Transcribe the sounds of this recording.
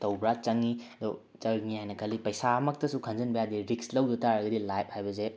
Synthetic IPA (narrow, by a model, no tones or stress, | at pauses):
tɐwbɾat͡ʃɐŋid̪ɔ | t͡ʃɐɾŋiajnɐkʰɐlipɐjsamɐk̚tɐsukʰɐnzɐnbɐjadiɾikslɐwdɔtaɾɐɡɐdilajp̚hajbɐse